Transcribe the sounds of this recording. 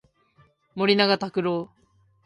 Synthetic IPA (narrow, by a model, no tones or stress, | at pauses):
mo̞ɾʲinaɡat̪akɯ̟ɾoː